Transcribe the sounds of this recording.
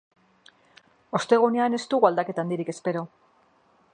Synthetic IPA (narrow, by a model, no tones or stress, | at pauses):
o̞st̪e̞ɣ̞une̞ane̞st̪uɣald̪ake̞t̪and̪iɾike̞spe̞ɾo̞